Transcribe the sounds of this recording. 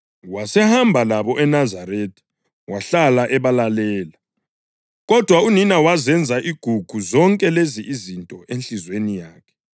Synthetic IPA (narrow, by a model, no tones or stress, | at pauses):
wasɛhambʱalaβɔʔɛnazaɾetʰʼi̥ | waɬalaʔɛβalalɛːla | ɣɔd̥ʱwauninawazɛnd͡zʱaʔiɡ̥ʱuɡ̥ʱuzɔŋkʼɛleziʔizintʼɔʔenɬizwenijaːkʰɛ̥